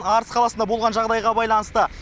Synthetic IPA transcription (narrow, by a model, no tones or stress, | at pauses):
ɑɾsqʰɑlˠɑsənd̪ɑbo̞lˠʁɑnʒɑʁd̪ɑjʁɑbɑjlˠɑnəst̪ə